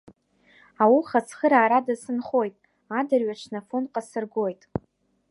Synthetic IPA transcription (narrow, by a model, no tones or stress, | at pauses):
awuχasʰχəɾaːɾadasɨnχo̞jtʼ | adɨrɥaʈ͡ʂʰnafonqʼasɨrɡo̞jtʼ